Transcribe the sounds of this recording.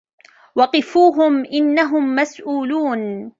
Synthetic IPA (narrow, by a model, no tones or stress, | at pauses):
wɑqɨfuːɦʊmʔɪnːaɦʊmːasʔuːluːn